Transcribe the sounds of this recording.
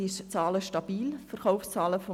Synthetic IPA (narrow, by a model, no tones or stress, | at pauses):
ɪʃt͡sɑːləʃtɑb̥iːlfəɾχaʊfst͡sɑːləfɔ